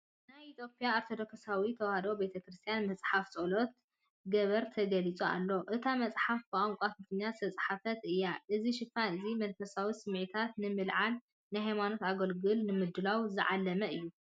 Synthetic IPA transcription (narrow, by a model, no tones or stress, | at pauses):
najit̪ʰjo̞pʼijaaɾt̪ʰod̪oksawit̪ʰɐwhad̪o̞be̞t̪ʰɐkɾɨst̪ʰijanmɐt͡sʼħaft͡sʼolot̪̚ | ɡɐβɐɾt̪ʰɐɡɐlit͡sʼua̰lːo̞ʔɨt̪ʰamɐt͡sʼħafbɨʔamkʷʼat̪ɐt̪ʰɨɲːast̪ʰɐt͡sʼħafɐt̪ɨjːaʔɨziʃɪfanɨzimɐlfɐsawisɨmʕit̪ʰat̪nɨmɨlʕal | najɦajmano̞t̪aɡɐlɡɨlnɨmɨd̪ɨlawzɨʕa̰lːɐmɐɨjːu